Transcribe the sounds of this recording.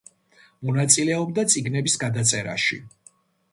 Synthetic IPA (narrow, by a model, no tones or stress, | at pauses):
mɔnat̪sʼilɛɔbd̪at̪sʼiɡnɛbisɡad̪at̪sʼɛɾa̰ʃḭ